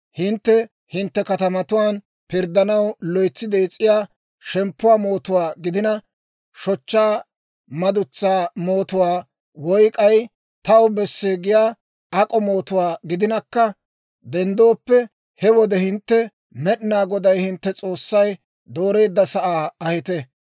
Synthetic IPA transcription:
hɪnt̪ːɛ | hɪnt̪ːɛkɐt̪ɐmɐt̪ʊwaːn | pɪɾd̪ɐnɐwlɔjt͡sːɪd̪ɛt͡sʼːɪjaː | ʃɛmpːʊwaːmo̞ːt̪ʊwaːɡɪd̪ɪnɐ | ʃɔt͡ʃːaː | mɐd̪ʊt͡sːaːmo̞ːt̪ʊwaː | wɔjkʼɐj | t̪ɐwbɛsːeːɡɪjaː | ɐkʼɔmo̞ːt̪ʊwaːɡɪd̪ɪnɐkːɐ | d̪ɛnd̪o̞ːpːɛ | hɛwɔd̪ɛhɪnt̪ːɛ | mɛɗɪnaːɡɔd̪ɐjhɪnt̪ːɛt͡sʼo̞ːsːɐj | d̪oːɾe̞ːd̪ːɐsɐʔaːɐhɪt̪ɛ

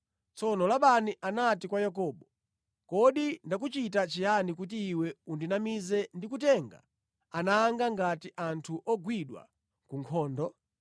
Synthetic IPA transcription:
t͡sɔnɔlaɓaniʔanatikwajak̬ɔːɓɔ | kɔɗindak̬ut͡ʃitat͡ʃianikut̬iːwɛundinamizɛndikutɛŋɡa̰ | anaːŋɡaŋɡatiʔantʰuʔɔɡwiɗwa̰ | kuŋkʰɔːndɔ

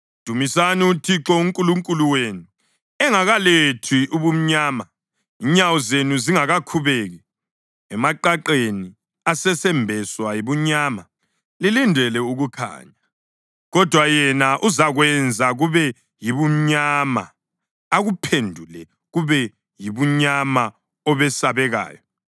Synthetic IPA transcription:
d̥ʱumisaniutʰiǁɔuŋkʼuluŋkʼuluwenu | ɛŋaɣaletʰiʔuβum̩ɲaːma | iɲawɔzenuziŋaɣakʰuβeɣɛ | ɛmaǃaǃeni | asɛsɛmbʱɛswajiβuɲaːma | lilindʱɛlɛuɣukʰa̰ːɲa | ɣɔd̥ʱwajɛnaʔuzaɣwɛnd͡zʱaɣuβɛ | jiβum̩ɲama̰ | aɣupʰendʱulɛ | ɣuβɛ | jiβuɲama | ɔβɛsaβɛɣa̰ːjɔ

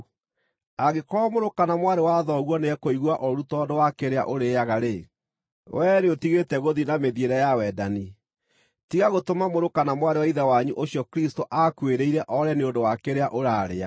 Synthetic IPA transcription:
aɣekɔamoɾokanamwaɾewaðɔɣwɔneɛkoiɣwaʔoɾutɔdowakeɾea̰ʔoɾeːjaɣaɾe | wʔɛɾeotiɣetɛɣoðinameðieɾɛjawɛdani | tiɣaɣotomamoɾokanamwaɾewaiðawaɲuʔoɕijɔkɾistoʔakweɾeiɾɛʔɔɾɛneondowakeɾeaʔoɾaːɾea

